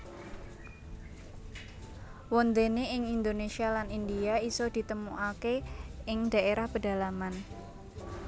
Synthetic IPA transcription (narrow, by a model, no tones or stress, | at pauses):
wɔnd̪eneʔɪŋind̪onesialanindiaisɔd̪̥i̤t̪əmuʔakeɪŋd̥a̤ʔeɾahpəda̤laman